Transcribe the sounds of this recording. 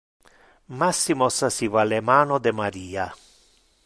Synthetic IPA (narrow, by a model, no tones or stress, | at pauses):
masːimɔsasivalemaːnod̪emaɾiːa